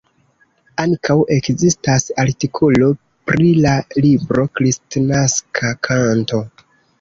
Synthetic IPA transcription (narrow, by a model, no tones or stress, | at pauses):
aŋkawʔe̞kzistasaɾtikʰolo̞ | pɾilalibɾo̞kɾistnaskʰakʰanto̞